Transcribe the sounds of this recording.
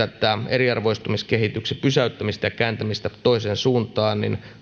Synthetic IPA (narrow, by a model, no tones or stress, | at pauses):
æt̪ˑæeriɑrʋoist̪umiskehit̪yksepysæyt̪ːæmist̪æjɑkæːnt̪æmist̪æt̪oiseːnsuːnt̪ɑːnnḭn